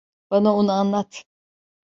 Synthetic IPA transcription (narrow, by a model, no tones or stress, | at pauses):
b̥anaonuanlˠat̪ʰ